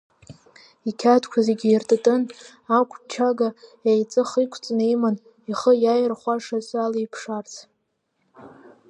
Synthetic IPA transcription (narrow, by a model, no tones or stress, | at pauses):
ikʲʰatʰkʷʰazeɡʲirtʼtʼɨn | akʷʰʼt͡ʃʰaɡajajt͡sʼɨχikʷʰt͡sʼnejman | iχəjajrχʷaʂasalajpʰʂart͡sʰ